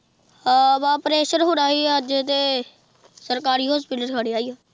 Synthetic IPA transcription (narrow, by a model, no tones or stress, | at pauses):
baːpɾeːʃəɾɦoːɾaːiːəd͡ʒt̪eː | səɾkaːɾiːɦɔːspɪʈəɾkʰəɽeːaːiaː